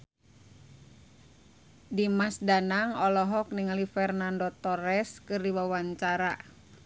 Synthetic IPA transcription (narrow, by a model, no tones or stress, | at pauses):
dimasdanaŋɔlɔɦɔk̚niŋalifɛrnandɔt̪ɔɾɛskɨrdiwawaɲt͡ʃaɾa̰